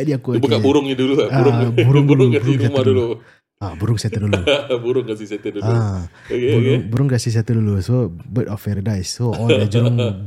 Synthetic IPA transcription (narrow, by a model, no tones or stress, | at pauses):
aʔdiakubukabuɾʊŋidululauɾʊŋbuɾʊŋduulubuɾʊŋsamdulu | abuɾʊŋsat̪ədulubuɾʊŋkasɪsiat̪ədua | okebukʊeŋbuɾʊŋkasis̬iat̪ədulusobətɔfɛɾdajsːoɔldad͡ʒuɾʊŋ